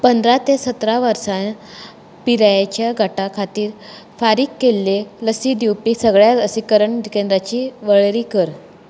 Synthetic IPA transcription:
pənd̪ɾat̪esət̪ɾaʋəɾsãn | piɾajat͡ɕjaɡʱaʈakʰat̪iːɾ | faɾiːkːelːeləsiːd̪iwpisəɡɭjaəsikəɾəɳd̪ikend̪ɾat͡ɕiːʋəɭɾiːkəɾ

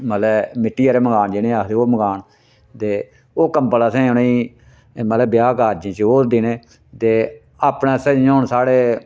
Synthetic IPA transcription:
mət̪lɛmɪʈːiːaːɾeːməɡaːnd͡ʒeneːaːkʰt̪eoːməɡaːn | t̪eː | oːkə̃mpələsẽːʊneiː | mət̪ləbɪjaːkaːd͡ʒẽːt͡ʃoːd̪ineː | t̪eː | aːpɳeːsəoːɳsaːɽeː

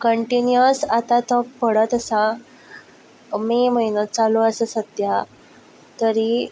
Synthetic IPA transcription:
kəɳʈinjəsat̪ãt̪ɔkpəɽət̪əsã | meməjnət͡saluəsəsət̪ja | t̪əɾi

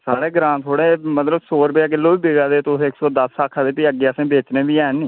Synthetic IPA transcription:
saːɾeːɡɾãːnt̪ʰoːɽeːmət̪ləsoːɾbeaːkɪlːoːbiːbeːɡaːd̪eːt̪ːʊsːksɔːd̪əsaːkʰːaːd̪eːpiːəɡeːəsẽːbeːt͡ʃneːbiːɛːnĩː

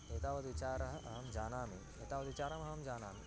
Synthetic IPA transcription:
eːt̪aːʋɐd̪it͡ʃaːɾɐɦɐʔɐɦɐmd͡ʒaːnaːmi | eːt̪aːʋɐd̪it͡ʃaːɾɐmɐɦɐmd͡ʒaːnaːmi

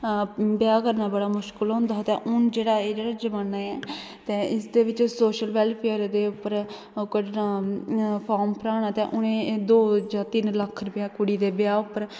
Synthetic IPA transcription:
bjaːkəɾnaːbəɽaːmʊʃkəlɦõnd̪aːt̪ɛːʔʊnd͡ʒeːɽaːeːd͡ʒeːɽaːd͡ʒəmaːnaːɛː | t̪eːɪsd̪eːʋɪt͡ʃsoːʃəlʋɛlpʰeəɾd̪eːʊpːəɾ | kəʈnaːpʰaːɾmpəɾaːɽ̃aːt̪ɛːʔʊnẽːd̪oːd͡ʒaːt̪ɪnləkʰːɾʊpjaːkʊɽiːd̪eːbɪjaːʊpːəɾ

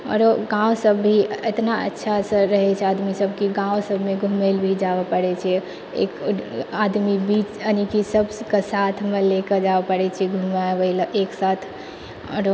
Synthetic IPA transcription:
ɔ̰ɾoɡãwsəbːʱiet̪naə̰tːʃʰasə̃ɾəɦɛt͡ʃʰɛad̪misəbkiɡãwsəbʱmeɡʱumelbʱid͡ʒaʋəpəɽɛt͡ʃʰɛ | ḛkad̪mibit͡ʃənikisəbʱskesat̪ʰmeleked͡ʒaʋepəɽɛt͡ʃʰɛɡʱumabəilʔeksat̪ʰ | ɔ̰ɾ

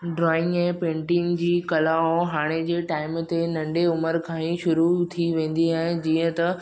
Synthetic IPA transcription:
ɖɾɔːɪ̃ŋɡɛ̃ːpẽːɳʈĩŋd͡ʑiːkɐlaõɦaːɽ̃ed͡ʑeːʈaːɪmt̪enɐ̃ɳɖeʊməɾkʰãːĩʃʊɾut̪ʰiʋẽːn̆d̪iaːɦɪ̃d͡ʑiːə̃t̪ɐ

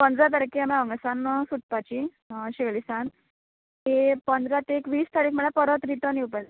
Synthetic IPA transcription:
pənd̪ɾat̪̬əɾkeamaəŋɡsanəsuʈ̚pat͡ɕi | ɕeɭisãn | ɦepənd̪ɾat̪ekʋiːst̪ʰaɾiːkm̤əɽapəɾət̪ɾit̪əniupəl

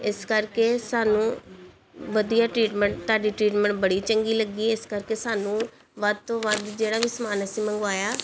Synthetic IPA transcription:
ɪskəɾkeːsaːnũː | ʋəd̪ijaːʈɾiːʈməɳʈt̪aːɖiːʈɾiːʈmə̃ɳʈbəɽiːt͡ʃəŋɡiːləɡiːɪskəɾkeːsaːnũː | ʋəd̪̚t̪õːʋəd̪d͡ʒeːɽaːʋɪsmaːnəsĩːməŋɡaːjaː

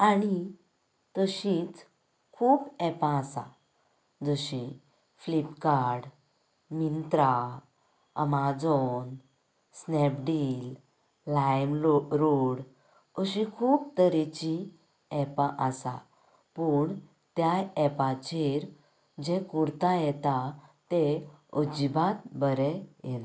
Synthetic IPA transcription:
aɽ̃i | t̪əɕĩt͡s | kʰuːpɛpãːsã̰ | d͡zəɕĩ | flipkaɾɽ | mint̪ɾa | ə̰mad͡zɔn | snɛpɖilː | ajmɾoɽ | əɕĩkʰuːbt̪əɾit͡ɕi | ɛpaʔəsa̰ | pəːɳ | t̪jajɛpãt͡ɕeɾ | d͡ʑekuɾt̪ajɛt̪at̪eod͡ʑibat̪̚bəɾɛjɛna

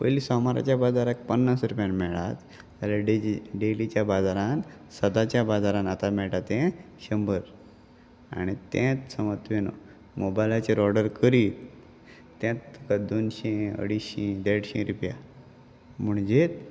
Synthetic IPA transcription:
pəjlisɔmaɾa̰t͡ɕjabad͡zaɾak̚pənːasɾupjanmɛɭat̪ː | alaɖeɖelit͡ɕjabad͡zaɾan | səd̪at͡ɕjabad͡zaɾãnat̪amɛɭʈat̪ɛ̃ | ɕəmbəɾ | a̰ɽ̃it̪ẽt̪səmət̪ʋeno̰ | mobajlat͡ɕeɾɔɽəɾkəɾiːt̪ː | ẽt̪t̪ːukad̪onɕẽə̰ɽiɕĩd̪ɛʈɕĩɾupja̰ | m̤əɳd͡ʑet̪

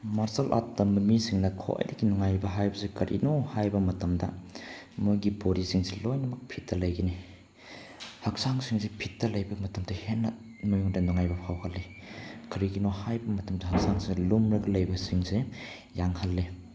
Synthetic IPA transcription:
maɾsɐlʔa̰t̚dɐmumisiŋnɐkʰo̰jdɐɡinuŋajbɐɦajbɐsekɐɾʔḭnohajbɐmɐtɐmdɐ̰ | mojɡipoɾisiŋselojnɐmɐk̚pʰitːɐlɐjɡeni | hɐk̚saŋsiŋsepʰitːɐlɐjbɐmɐtɐmdɐhenːɐ | mujuŋdɐnuŋajbɐpʰawhɐlːe | kɐɾiɡinohajbɐmɐtɐmdɐɦɐk̚saŋselumɾɐɡɐlɐjbɐsiŋse | jaŋhɐlːe

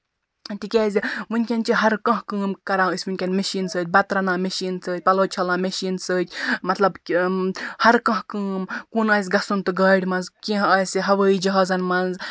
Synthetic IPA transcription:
t̪ikʲeːzʲiʋɨnʲkʲɐnʲt͡ʃiɦɐɾkɐ̃ɦkɨːmkɐɾãːɨsʲʋɨnʲkʲɐnmeʃiːnsəːt̪̚ʲbɐt̪ɾɐnãːmeʃiːnsəːt̪̚ʲpɐloːt͡ʃʰɐlãːmeʃiːnsəːt̪ʲmɐt̪lɐb | hɐɾkɐ̃ɦkɨːmkunɐːs̬ʲɡɐsunt̪ɨɡɐːɽʲmɐnzkʲĩɦɐːsʲiɦɐʋəːid͡ʒɐɦaːzɐnmɐnz

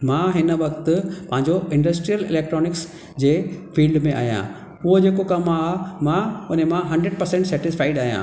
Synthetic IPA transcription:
mãːɦɪnəʋɐkt̪ʊpɐ̃ɦɪ̃ɲd͡ʑoɪ̃ɳɖəsʈɾijəlɪ̰leːk̚ʈɾɔːnɪks | d͡ʑeːfiːlɖmẽʔa̰ːɦjã̰ː | ʊɦod͡ʑeːkokɐmamãʊn̤emãɦɐ̃ɳɖɾeɖ̚pɐɾsẽɳʈsɛːʈɪsfʰaːɪɖaːjã̰ː

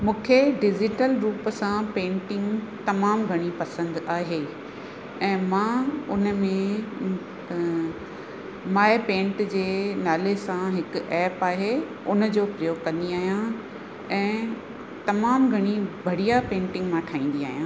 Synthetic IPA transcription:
mũːkʰeɖɪd͡ʑɪʈəlɾuːpsãpẽːɳʈɪ̃ŋɡt̪ɐmaːmɡʱɐɽ̃ipɐsə̃nd̪aːɦeː | ɛ̃ːmãːʊnəmẽ | maːepẽːɳʈd͡ʑeːnaːlesãɦɪkʊ̆ʔɛːpaːɦe | ʊnə̆d͡ʑoːpɾijoːɡkɐ̃nd̪iaːɦijã | ɛ̃ː | t̪ɐmaːmɡʱɐɽ̃ibʱɐɽijapẽːɳʈɪ̃ŋɡmãʈʰaːĩːn̆d̪iaːɦijãː

